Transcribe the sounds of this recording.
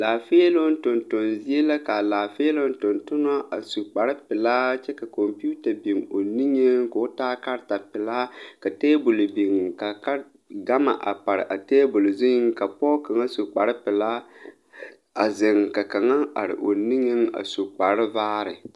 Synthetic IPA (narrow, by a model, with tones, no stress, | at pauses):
laː˨feː˦lo˦n˦tʊ˨ntʊ˨nzi˦e˦la˦ka˨laː˨feː˦lo˦n˦tʊ˨ntʊ˦n˦a˦ʔa˨su˨k͡pa˨ɾɪ˦pɪ˨laː˦t͡ʃɛ˦ka˨ko˨mpi˦u˦ta˨bi˨ŋo˨ni˦ŋe˦ŋ˦ko˨˦taː˦ka˦ɾta˨pɪ˨laː˦ka˨teː˦bʊ˨lbi˨ŋka˨ka˦ | ɡa˦ma̰˨ʔa̰˨pa˨ɾɪ̰˨ʔa˨teː˦bʊ˨lzi˦ŋ˦ka˨pɔː˦ka˨ŋa˦su˨k͡pa˨ɾɪ˦pɪ˨laː˦ | a˨zɪ˨ŋ˨ka˨ka˨ŋa˦a̰˨ɾɪ̰˨ʔo˨ni˦ŋe˦ŋa̰˨su˨k͡pa˨ɾɪ˦vaː˦ɾɪ̰˨